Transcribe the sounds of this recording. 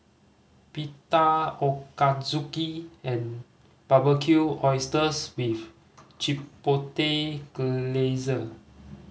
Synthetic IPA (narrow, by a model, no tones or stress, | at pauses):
pitaokazukiɛ̃n | pabəkʰjuɔjstəswif | t͡ʃipoteɡəlezə